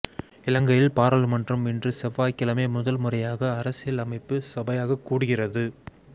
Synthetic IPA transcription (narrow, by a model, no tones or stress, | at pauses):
ɪlɐŋɡɐjɪlpaːɾɐlmɐndrɐmɪndrɯsɛʋːaːjkːɪlɐmeːmʊðɐlmʊrɐjaːɣɐːɾɐsɪjɪlɐmɐɪpːɯsɐbɐjaːɣɐkːuːɽɯɣɪrɐðɯ